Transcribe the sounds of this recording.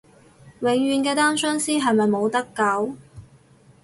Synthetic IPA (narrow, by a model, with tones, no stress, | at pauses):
wɪ˨˥ŋɥyː˨˧nkɛː˧t̪aː˥nsœː˥ŋsiː˥ɦɐ˨jmɐ˨jmo˨˧wt̪ɐ˥kːɐ˨˥w